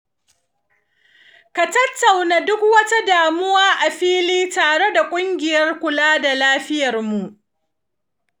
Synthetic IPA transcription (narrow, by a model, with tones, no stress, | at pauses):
ka˨tɐ˦tːa˨wnaː˨dʊ˦kwɐ˦ta˦daː˨mʊ˦waː˦ʔa˨ɸiː˦liː˦taː˨ɽe˦da˨kʷʼʊ˦ŋɡʲɪ˨jɐ˦rkʷʊ˨laː˦da˨laː˦ɸɪ˦jɐ˨rmu˨ʔ